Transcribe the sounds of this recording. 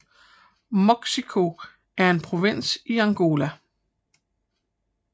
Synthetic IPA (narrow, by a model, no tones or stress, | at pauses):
meɡ̥sikʰo̝ | æɐe̝npʰʁo̝ʋen̰siɑŋɡ̥o̝ːlæ